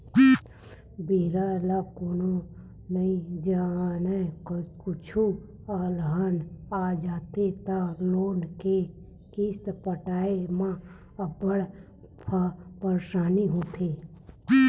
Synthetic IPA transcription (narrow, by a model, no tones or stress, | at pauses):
biːɾalakoːno | nəĩd͡ʒanekʊt͡ʃʰu | aːlɦənad͡ʒaːt̪et̪aloːnke | kist̪pəʈaːemã | əbəɽ | pʰəpəɾʃaːniɦoːt̪ʰe